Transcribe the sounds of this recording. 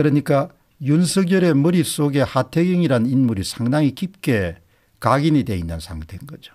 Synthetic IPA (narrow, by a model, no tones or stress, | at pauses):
kɯɾʌɲik͈a | junsʰɯɡjʌɾe̞mɯɾip̚s͈oɡe̞hatʰeɡiŋiɾanɯninmuɾisʰaŋdaŋikip̚k͈e̞ | kaɡinide̞inːɯnsʰaŋtʰe̞nɡʌd͡ʑo